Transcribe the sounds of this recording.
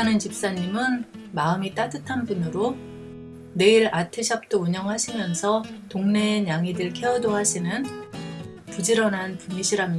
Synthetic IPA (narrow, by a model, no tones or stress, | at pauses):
anɯnt͡ɕip̚s͈aɲːimɯn | maɯmit͈adɯtʰanpunɯɾo | ne̞iɾatʰeɕʰap̚t͈ouɲʌŋɦaɕʰimjʌnsʰʌtoŋne̞ɲaŋidɯɭkʰeʌdoɦaɕʰinɯn | pud͡ʑiɾʌnɦanpumiɕʰiɾam